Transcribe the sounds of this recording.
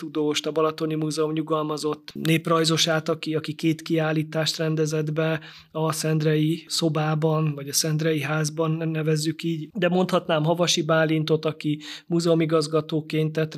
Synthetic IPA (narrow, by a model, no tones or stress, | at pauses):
t̪ud̪oːʃt̪ɒbɒlɒt̪o̞nimuːzɛomɲuɡɒlmɒzo̞t̪ːneːprɒjzo̞ʃaːt̪ɒkiɒkikeːt̪kiaːlːiːt̪aːʃt̪rɛnd̪ɛzɛd̪bɛ | ɒsɛnd̪rɛjiso̞baːbɒnvɒɟɒsɛnd̪rɛjiɦaːzbɒnːɛvɛzːykiːɟd̪ɛmo̞nt̪hɒt̪naːmɦɒvɒʃibaːlːint̪o̞t̪ɒkimuːzɛomiɡɒzɡɒt̪oːkeːnt̪ɛt̪